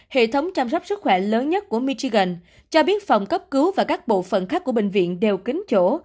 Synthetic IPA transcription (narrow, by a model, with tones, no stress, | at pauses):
hḛ˧˨t̪ʰə˨˦wŋ͡mt͡ɕa˧msɔ˦˥wk͡p̚sɨ˦˥k̚xwɛ˧˩ləː˨˦nɲə˦˥t̚ku˧˩əmi˧t͡ɕi˧ɣə˨˩n | t͡ɕɔ˧ɓi˦˥ət̚fa˨˩wŋ͡mkə˦˥p̚kɨ˨˦wvaː˨˩kaː˦˥k̚ɓo̰˧˨fə̰˧˨nxaː˦˥k̚ːu˧˩əɓï˧˨ŋ̟vḭ˧˨ənɗe˨˩wkï˨˦ŋ̟t͡ɕo˧˩˨